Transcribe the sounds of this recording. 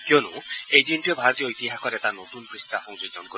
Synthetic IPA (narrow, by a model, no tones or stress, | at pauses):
kjonuejdienʈiɔbʱaɾɔt̪ijɔjt̪iɦakʰɔɾet̪anot̪unpɾist̪afʰɔŋd͡ʒiɡɔnko